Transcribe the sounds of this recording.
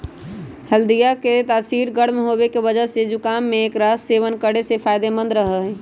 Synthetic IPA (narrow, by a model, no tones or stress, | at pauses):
həld̪ijaket̪asiɾɡəɽmɦobekebəd͡ʒəɦsed͡ʒukamːeːkɾaseʋənkəɽesepʰajd̪emə̃nd̪ɾəɦəɦɛ